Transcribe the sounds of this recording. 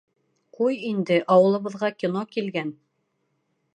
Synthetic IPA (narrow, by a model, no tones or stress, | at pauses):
qujind̪ɘʔɑwɤ̆lˠɤ̆βɤ̆ðʁɑkʲinokilɡæn